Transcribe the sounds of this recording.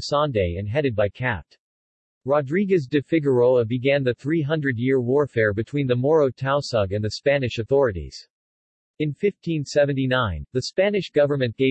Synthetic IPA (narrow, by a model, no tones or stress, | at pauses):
sɑ̃ndeɪɨ̃nɦɛɾɨd̚baɪkʰæt | ɹɑdɹiɡɨz̬dɨfɪɡə˞oʊəbɨɡæ̃nðɨθɹiɦʌ̃ndɹɨdjɪɹwɔɹfɛɹbɨtʰw̥ĩnðəmɔɹoʊtʰaʊsʌɡɨ̃nðɨspænɨʃɨθɔɹɨɾḭz̥ | ɨ̃nfɪftʰĩnsɛṽntinãɪ̃nðɨspænɨʃɡ̥ʌvə˞mɨ̃nɡ̥eɪ